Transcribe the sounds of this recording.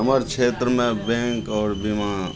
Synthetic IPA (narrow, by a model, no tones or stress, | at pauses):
əməɾkʃʰeːt̪ɾəmẽbɛ̃ːŋkɔːɾbima